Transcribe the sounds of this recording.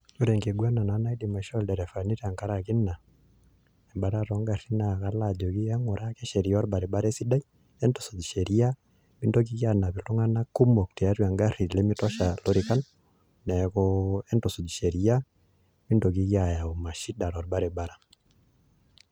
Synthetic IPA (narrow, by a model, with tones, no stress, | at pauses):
o˦ɾɛ˨ŋɡe˨ɡwa˦na˨na˨˦na˦i˦di˨ma˨ʃɔ˦˨ldɛ˨ɾɛ˨fa˨ni˦ɾa˨ŋka˦ɾa˨ki˦na˨ | ɛ˨mba˨ɾa˦ɾɔ˨˦ŋɡa˨ri˦na˨ka˦la˨d͡ʒo˨ki˦ɛ˦ŋo˨ɾa˦kɛ˦ʃɛ˨ɾi˨ɔ˦ɾba˨ɾe˨ɓa˦ɾɛ˦si˦da˦i˦ | ɛ˦nto˨so˨d͡ʒi˨ʃɛ˨ɾi˦a˦ | mi˦ndo˦k̬i˦kja˨na˨pi˨tu˦ŋa˦na˦ku˦mo˨kti˨a˦twa˨ŋɡa˦ri˨le˦mi˦tɔ˦ʃa˨lo˦ɾi˨ka˦n | nɛ˨kɔɛ˦nto˨so˨d͡ʒi˨ʃe˨ɾi˦a˦ | mi˦ndo˨ki˦kja˨ja˨o˨ma˨ʃi˦da˨ɾɔ˨ɾba˦ɾɛ˨ɓa˦ɾa˦